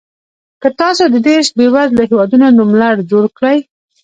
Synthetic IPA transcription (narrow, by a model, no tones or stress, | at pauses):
kət̪ɑsod̪əd̪eʃbewazlaɦewɑd̪unonumlaɽd͡ʒoɽkɽaj